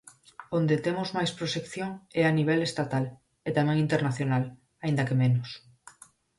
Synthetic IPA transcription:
ond̪et̪emʊzmajspɾoʃekθjoŋɛaniβ̞ɛlest̪at̪al | et̪amɛ̃ŋĩnt̪eɾnaθjonal | aĩnd̪akemenʊs

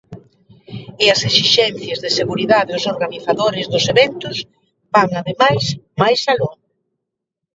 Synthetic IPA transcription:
ɪɐsesiʃɛnθjɐzðɪseɣuɾiðaðeʊsoɾɣaniθaðoɾɪzðʊseβɛnt̪ʊs | baŋaðemajsmajsaluŋ

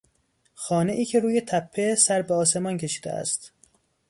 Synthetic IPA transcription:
xɒːne̞ʔiːcʰe̞ɾuːje̞t̪ʰæpʰːe̞sæɾbeɒːse̞mɒncʰe̞ʃi̥ːd̪ḛæ̰st̪

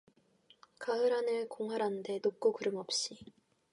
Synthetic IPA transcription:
kaɯɾanɯɭkoŋɦaɾɦande̞nok͈okɯɾɯmʌp̚ɕ͈i

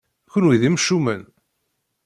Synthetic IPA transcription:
çʊnwiðimʃumən

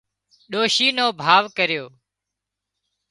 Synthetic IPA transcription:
ɗoːʃiːnoːbʱaːʋkəɾɪjoː

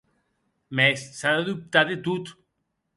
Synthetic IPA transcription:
mesːaðaðup̚t̪aðet̪ut̪

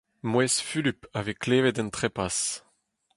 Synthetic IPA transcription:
mwɛsfylypavekleːvɛdɛ̃nt̪χepas

